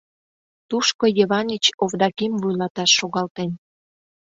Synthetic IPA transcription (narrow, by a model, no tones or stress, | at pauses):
t̪uʃkojeβɑnit͡ɕovd̪ɑkimvujlɑt̪ɑʃːoɣɑlt̪en